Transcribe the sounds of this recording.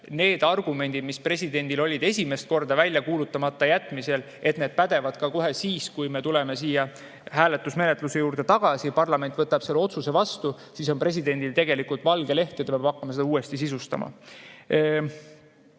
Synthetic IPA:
ne̞ːd̪̥ɑrɡ̥ume̞nd̪id̪̥mispre̞sʲid̪̥e̞nʲd̪̥ilo̞lʲid̪esʲime̞st̪̚ko̞rd̪ɑvælʲjɑkuːlut̪ːˑɑmɑt̪ːˑɑjæt̪ːˑmise̞l | e̞t̪ne̞ːd̪̥̚pæd̪̥e̞vɑd̪̥kɑko̞ɦe̞siːskujme̞t̪ule̞me̞s̬iːjɑ | ɦæːlet̪ːˑusme̞net̪luse̞juːɾd̪̥e̞t̪ɑɡ̥ɑsipɑrlɑme̞nt̪vɤt̪ːˑɑb̥se̞lːeo̞t̪suse̞vɑst̪u | siso̞npre̞s̬ʲid̪e̞nd̪ilt̪e̞ɡe̞likult̪vɑlɡe̞le̞ht̪et̪ɑpɑbɑkːɑmɑse̞d̪ɑuːe̞st̪isisust̪ɑ̰mɑ̰

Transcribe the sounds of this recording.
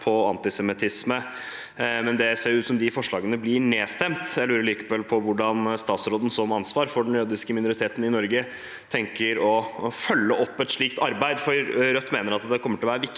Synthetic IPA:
pʰɔɑ̰nt̪ɪsɛmɪt̪ʰɪsmə | mɛnd̪ɛseːɾjʊʉːt̪sɔmd̪ɪfɔʂɭɑːɡənəblɪɳeːst̪ɛmt̪jæɪlʉːɾəɭiːkə̥pɛlpʰɔʋʊɖɑnst̪ɑːt̪sɾoːd̪n̩sɔmɑnsʋɑːɾfɔɖɛnjøːd̪ɪskəmɪnʊɾɪt̪ʰeːt̪n̩ɪnɔɾɡə | t̪ʰɛŋkəɾɔfœlːəʔɔpːɛt̪ʂɭiːkt̪ɑɾbæɪd̪fɔɾɾœt̪ːmeːnəɾɑt̪d̪ɛkʰɔməʈʰɪlɔʋæːɾəʋɪk

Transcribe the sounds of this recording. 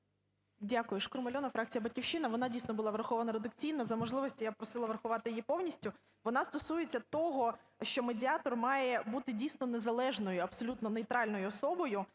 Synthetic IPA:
dʲakʊjʊʃkʊɾmɐlʲɔnɐfɾɑk̚t͡sʲijɐbɐtʲkʲiwʃɪnɐʋɔnɑdʲijsnɔbʊlˠɑʋɾɐxɔʋɐnɐɾed̪ʊkt͡sʲijnɐzɐmɔʒlˠɪʋɔsʲtʲijapɾɔsɪlˠɐʋɾɐxʊʋɑt̪ɪjjipɔwnʲisʲtʲʊ | ʋɔnɑst̪ɔsujet͡sʲːɐt̪ɔɦɔ | ʃt͡ʃɔmedʲɪɑt̪ɔrmɑjɛbut̪ɪdʲijsʲnɔnezɐlˠɛʒnɔjʊɐpsɔlʲut̪nɔnejt̪ɾɑlʲnɔjʊɔsɔbɔjʊ

